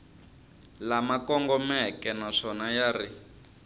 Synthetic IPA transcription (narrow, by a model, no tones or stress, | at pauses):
lamakɔŋɡɔmɛkɛnaʂɔnajaːri